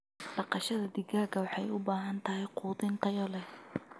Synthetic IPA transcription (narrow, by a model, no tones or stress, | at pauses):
ɖɑqɑʃɐðɐd̪ɪɡaːɡɐwɑħɑjʊbaːɦɐnt̪ʰɐɦɛjquːðɪnt̪ʰɐjɔlɛ